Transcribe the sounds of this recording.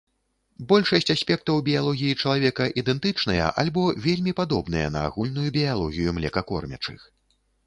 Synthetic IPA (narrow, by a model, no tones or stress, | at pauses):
bɔlʲʂɐsʲt͡sʲasʲpʲɛk̚t̪ɐwbʲijalˠɔɣʲijit͡ʂɐlˠavʲɛkɐʔid̪ɛnt̪ɨt͡ʂn̪ɐjɐ̰ʔa̰lʲbɔvʲelʲmʲipad̪ɔbn̪ɨjɐ̰nɐ̰a̰ɣulʲnujubʲijalˠɔɣʲijumlʲɛkɐkɔ̰rmʲɐ̰t͡ʂɨ̰x